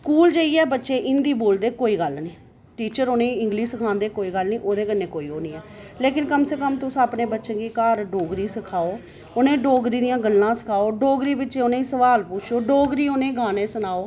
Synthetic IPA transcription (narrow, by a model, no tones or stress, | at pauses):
skuːld͡ʒeːiːɛːbətːʃeːʔɪnd̪iːboːld̪eːkoːiːɡəlnĩː | ʈiːt͡ʃəɾoːnẽːɪ̃ŋɡliːsəkʰãːnd̪eːkoːiːɡəlnĩːʔoːd̪eːkənẽːkoːiːoːniːɛː | leːkɪnkəmseːkəmt̪ʊsapneːbətːʃə̃ɡiːkaːɾɖoːɡɾiːsəkʰaːoː | onẽːɖoːɡɾiːd̪ijãːɡəlːãːsə̥kʰaːoːɖoːɡɾiːbɪtːʃeonẽːiːsəʋaːlpʊt͡ʃʰoːɖoːɡɾiːoːnẽːɡʱaːnẽːsənaːoː